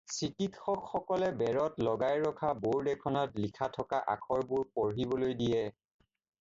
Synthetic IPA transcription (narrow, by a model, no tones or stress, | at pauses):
sikitxɔkxɔkɔlɛbɛɹɔtlɔɡajɹɔkʰaboɹdɛkʰɔnɔtlikʰatʰɔkaʔa̰kʰɔɹbuɹpɔɹɦibɔlojdijɛ